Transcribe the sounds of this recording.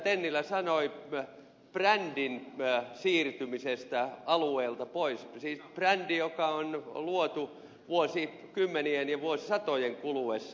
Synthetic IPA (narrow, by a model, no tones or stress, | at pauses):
t̪enːilːˑæsɑnoi | prændinsiːrt̪ymisest̪æɑlueːlt̪ɑpoissiːsprændijokɑonluot̪u | ʋuosi | kymːenienjɑʋuosisɑt̪ojeŋkuluesː